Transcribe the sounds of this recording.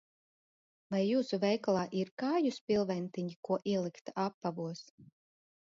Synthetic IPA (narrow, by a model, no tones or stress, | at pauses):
vajːuːsuvɛjklˠaːʔiɾkaːjuspʲilˠvɛnt̪iɲikuɔʔiɛlˠikt̪aʔapːavuɔs